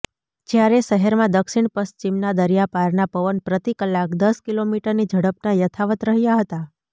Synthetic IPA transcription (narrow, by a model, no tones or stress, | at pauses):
d͡ʒjaɾeʃəɦɛɾmãd̪əkʃiɳpəst͡ʃimnad̪əɾijapaɾnapəʋənpɾət̪ikəlːakd̪əskilomiʈəɾnid͡ʒʱəɽəp̚najət̪ʰaʋət̪ɾəɦjaɦət̪a